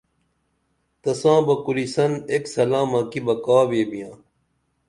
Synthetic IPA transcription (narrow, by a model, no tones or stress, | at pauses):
t̪ɐsãːbɐkuɾisɐneksɐlãːmɐkibɐkaːbeːbijãː